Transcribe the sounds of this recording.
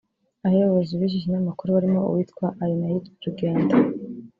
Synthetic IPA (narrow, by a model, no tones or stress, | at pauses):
ahejoβozuβiʒiʒinamakuɾoβaɾimo̞ṵwiːtkwaʔajonajitɾuɡe̞ːnda